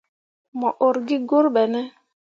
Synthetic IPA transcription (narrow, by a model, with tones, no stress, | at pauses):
mɔ˨ʔo˨ɾɡi˦ɡo˦ɾɓɛ˨nɛ˦